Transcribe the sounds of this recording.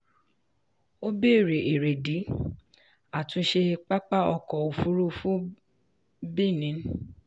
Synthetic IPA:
o˦be˦˨ɾe˨ʔe˨ɾe˨di˨˦ | a˦˨tũ˧˦ʃe˧k͡pa˦k͡pa˦ɔ˧kɔ˨o˨fu˦ɾu˦fũ˦ | bi˦˨nĩ˨˦n

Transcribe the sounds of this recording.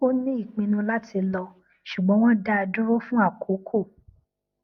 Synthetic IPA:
o˦nĩ˦i˦˨k͡pĩ˧nũ˧la˦tʰi˧lɔ˧ | ʃu˨ɡ͡bɔ̃˨˦w̃ɔ̃˦da˦a˧dũ˦ɾo˦fũ˦a˦˨kʰo˨˦kʰo˦˨

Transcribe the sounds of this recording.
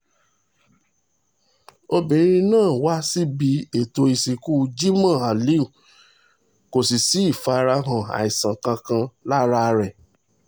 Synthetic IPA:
o˧bĩ˨ɾ̃ĩ˧nãː˦˨wa˦si˦bi˨˦e˦˨to˧i˨si˨ku˦˧d͡ʒi˦mã˦˨a˨li˦u˨ | ko˨si˨si˨˦i˦˨fa˧ɾa˧ɦã˨a̰˨i˨sã˨kã˧kã˧la˦ɾa˦˧ɾɛ˨

